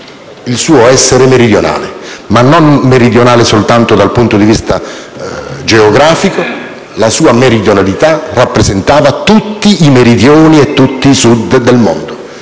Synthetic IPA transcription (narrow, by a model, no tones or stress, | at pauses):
ilsuːoɛsːeɾemeɾid̪jona̰ːlemanːonmeɾid̪jonaːlesolt̪ant̪od̪alpunt̪od̪ivist̪a | d͡ʒeoɡɾaːfiko | lasuːameɾid̪jonalit̪arapːɾezent̪aːvat̪ut̪ːiːmeɾid̪joːniet̪ːut̪ːiːsud̪d̪ːelmo̰nd̪o